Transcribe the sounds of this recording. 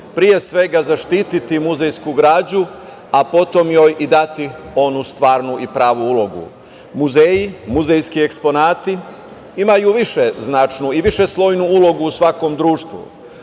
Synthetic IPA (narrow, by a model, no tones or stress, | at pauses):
pɾije̞sʋe̞ɡazaʃt̪iːt̪it̪imuzejskuɡɾaːd͡ʑu | apo̞t̪o̞mjojʔid̪at̪i | o̞nust̪ʋaːɾnuʔipɾaːʋuulo̞ɡṵ | muzeːjimuzejskiekspo̞naːt̪i | imajuʋiʃeznat͡ʃnuiʋiʃeslˠo̞jnuulˠo̞ɡuːsʋako̞md̪ɾuːʃt̪ʋṵ